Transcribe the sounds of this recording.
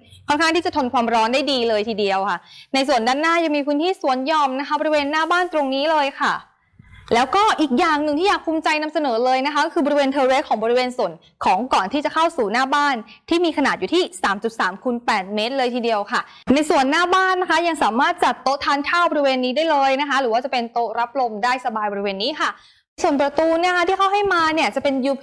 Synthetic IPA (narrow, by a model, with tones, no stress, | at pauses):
kʰɔː˥˩nkʰa˥˩ŋt̪ʰiː˥˩t͡ɕa˨˩t̪ʰo˧nkʰwaː˧mɾɔː˦˥nda˥˩jdiː˧lɤː˧jt̪ʰiː˧di˧əwkʰa˥˩na˧jsu˨˩əndaː˥˩nːaː˥˩ja˧ŋmiː˧pʰɯ˦˥nt̪ʰiː˥˩su˨˩˦ənjɔː˧mna˦˥kʰa˦˥bɔː˧ɾi˧˥weː˧nːaː˥˩baː˥˩nt̪ɾo˧ŋniː˦˥lɤː˧jkʰa˥˩ | lɛː˦˥wkɔː˥˩ʔiː˨˩k̚jaː˨˩ŋnɯ˨˩ŋt̪i˥jaː˨˩k̚pʰuː˧mt͡ɕa˧jna˧˥msa˧nɤː˩˦lɤː˧jna˦˥kʰa˦˥kɔ˥kʰɯː˧bɔ˧ɾi˧weː˧nt̪ʰɤː˧ɾe˦˥kʰɔː˩˦ŋbɔː˧i˧weː˧nsu˨˩ə˦n | kʰɔː˩˦ŋkɔː˨˩nt̪ʰiː˥˩t͡ɕa˨˩kʰa˥˩wsuː˨˩naː˥˩baː˥˩n | t̪ʰiː˥˩miː˧kʰa˧naː˨˩t̪̚juː˨˩t̪ʰiː˥˩saː˩˦mt͡ɕu˨˩t̪̚saː˩˦mkʰu˧npɛː˨˩t̪̚meː˦˥t̪̚lɤː˧jt̪ʰiː˧di˧əwkʰa˥˩ | na˧jsu˨˩ənːaː˥˩baː˥˩nːa˦˥kʰa˦˥ja˧ŋsaː˩˦maː˥˩t̪̚t͡ɕa˨˩t̪ːo˦˥t̪ʰːaː˧˥nkʰaː˥˩wbɔː˧ɾi˧weː˧nːiː˦˥daː˥˩jlɤː˧jna˦˥kʰa˦˥ɾɯː˩˦waː˥˩t͡ɕa˨˩pe˧nt̪o˦˥ɾa˦˥p̚lo˧mdaː˥˩jsa˧baː˧jbɔ˧ɾi˦weː˧nːiː˦˥kʰa˥˩˧ | jsu˨˩ənpɾa˧t̪uː˧ni˥˩kʰa˦˥t̪ʰiː˥˩kʰa˥˩wɦa˥˩jmaː˧ni˥˩ɐt͡ɕa˨˩pe˧nju˧˩